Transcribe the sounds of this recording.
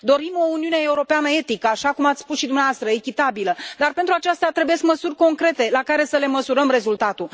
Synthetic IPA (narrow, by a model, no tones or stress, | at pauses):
d̪o̞ɾimo̞uniunee̞uɾo̞peanəe̞t̪ikəaʃakumat̪sspusʃid̪umneavast̪ɾəekʲit̪abiləd̪arpent̪ɾuat͡ʃast̪eat̪ɾebuje̞skməsurʲko̞ŋkɾe̞t̪e̞lakaɾe̞səle̞məsuɾəmre̞zult̪at̪u